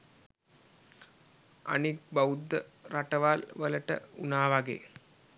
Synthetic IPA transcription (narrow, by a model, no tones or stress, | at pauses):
a̰nik̚baud̪ːəɾaʈəʋalʋələʈə̰unaːʋaɡḛː